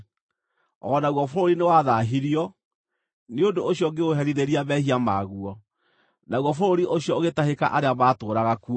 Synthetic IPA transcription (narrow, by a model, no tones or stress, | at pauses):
ɔnaɣwɔfoɾoɾinewaðaɦiɾiɔ | neondoːɕjɔɡeɣoɦɛɾiðeɾiaβɛhiamaɣuɔ | naɣwɔfoɾoɾiʔoɕjɔoɣetaheka̰ʔaɾeamatoːɾaɣaku